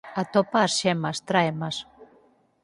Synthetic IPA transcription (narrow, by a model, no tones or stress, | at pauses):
at̪ɔpaːsʃɛmast̪ɾaemas